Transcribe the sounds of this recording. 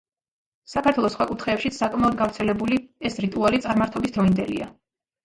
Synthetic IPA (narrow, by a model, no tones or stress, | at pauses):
sakʰaɾt̪ʰwɛlˠɔsχwakʼut̪ʰχɛːpʃit̪sakʼmɛɔd̪̚ɡavɾt̪sʰɛlɛbuliɛsɾit̪ʼualit̪sʼaɾmaɾt̪ʰɔbisd̪ɾɔind̪ɛlḭa̰